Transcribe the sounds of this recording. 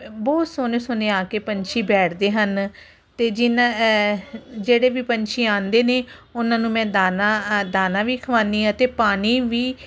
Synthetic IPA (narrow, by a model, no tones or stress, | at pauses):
bɔːt̪soːneːsʊneːaːkeːpəɲt͡ʃʰiːbɛːʈʰd̪eːɦən | t̪eːd͡ʒɪna | d͡ʒeːɽeːʋiːpəɲt͡ʃʰiːãːnd̪eːneː | ʊnãːnũːmɛ̃ːd̪aːnaːd̪aːnãːʋiːkʰəʋãːnd̪iːɦãːt̪eːpaːɽ̃iːʋiː